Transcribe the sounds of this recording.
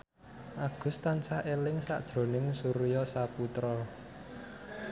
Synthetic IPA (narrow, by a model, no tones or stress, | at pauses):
ʔaɡ̥ʊ̤st̪ansahʔelɪŋsa̰ʔd̥ʒ̥ɾo̤nɪŋsuɾjɔsaput̪ɾɔ